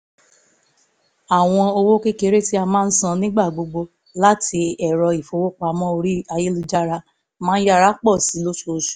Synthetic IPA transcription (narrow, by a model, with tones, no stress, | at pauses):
a˨w̃ɔ̃˧o˧wo˦ke˦ke˦ɾe˦ti˦a˧mãː˦n̩˦sã˦˧nĩ˦ɡ͡ba˦˨ɡ͡bo˧ɡ͡bo˧ | la˦tʰi˧ɛ˨ɾɔ˧i˨fo˧˦wo˦k͡pa˧mɔ̃˦o˧ɾi˦a˧je˦lu˧d͡ʒa˦ɾa˧ | mãː˦n̩˦ja˦˨ɾa˨˦k͡pɔ˦˨si˨˦lo˦ʃu˦o˧ʃu̥˨